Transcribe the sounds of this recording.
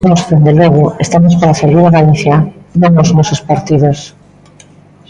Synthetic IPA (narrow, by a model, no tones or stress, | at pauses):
nɔsðend̪eloɣ̞oest̪amospaɾaseɾβiɾaɣaliθjanõŋnozmosospaɾt̪iðos